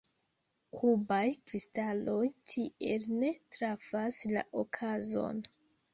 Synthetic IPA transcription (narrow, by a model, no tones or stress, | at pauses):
kʰubajkɾistalo̞jtʰie̞lne̞tɾafasla̰ʔokʰazo̞̰n